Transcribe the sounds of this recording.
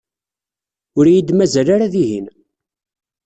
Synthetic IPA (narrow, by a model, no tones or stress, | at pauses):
ʊɾjid̪mæzælaɾaðiɦin